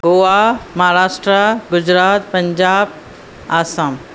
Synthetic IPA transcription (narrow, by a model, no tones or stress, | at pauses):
ɡoamɐɦaɾaːʃʈɾaɡʊd͡ʑɾaːt̪pɐ̃ɲd͡ʑaːb̚ | aːsam